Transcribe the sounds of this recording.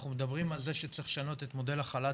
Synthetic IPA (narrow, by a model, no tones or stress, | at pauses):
χumed̪abʁimalzeʃet͡sʁiχʃano̞t̪et̪mo̞d̪e̞laχala